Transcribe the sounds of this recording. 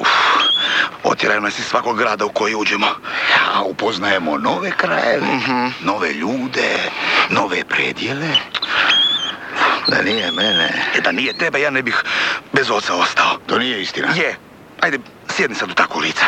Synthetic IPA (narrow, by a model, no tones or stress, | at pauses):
u | o̰t̪jeɾajonasisʋakoɡɡɾaːd̪auko̞jiuːd͡ʑemoaupoznajemonoʋekɾa̰jḛʋeɦ̩no̞ʋḛʎuːd̪eno̞ʋepɾeːd̪jele | d̪a̰nijemenḛd̪anijet̪ebajaːnebixbezot̪sao̞st̪aot̪oːnijeist̪inaje | ajd̪e | sjed̪nisad̪ut̪akoliːt̪sḁ